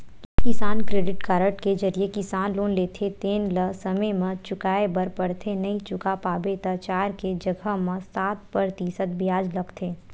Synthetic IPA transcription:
kɪsaːnkɾeːɖɪʈkaːɾəʈked͡ʒɐɾiekɪsaːnloːnleːt̪ʰet̪eːnlɐsɐməjmə̃t͡ʃʊkaːebɐɾpɐɽt̪ʰenɐĩt͡ʃʊkapaːbet̪ɐt͡ʃaːɾked͡ʒɐɡʱəmɐ̃saːt̪̚pəɾt̪iːsət̪̚bɪjaːd͡ʒlɐɡt̪ʰeː

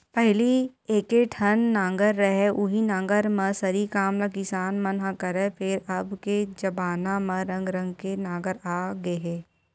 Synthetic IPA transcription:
pɛɦlieːkeʈʰɐnːãːŋɡəɾːɐɦɛʔʊɦinãːŋɡəɾmɐ̃sɐɾikaːmlakɪsaːnmɐnɦãkɐɾepʰɪɾɐbked͡ʒɐbaːnamɐ̃ɾɐ̃ŋɡɾɐ̃ŋɡkenãːŋɡəɾaːɡɐeɦɛː

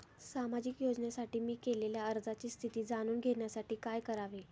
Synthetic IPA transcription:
samad͡ʑikjod͡ʑnjasaʈiːmiːkeleljaəɾd͡zat͡ɕiːst̪ʰit̪iːd͡zañuːnɡʱeɳjasaʈiːkajkəɾaʋe

